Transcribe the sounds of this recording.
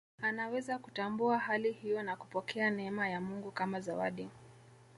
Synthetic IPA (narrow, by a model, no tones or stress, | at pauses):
anawɛzakutambuahalihijɔnaku̥pɔkʰɛanɛɛmajamuŋɡukamazawa̰ɗi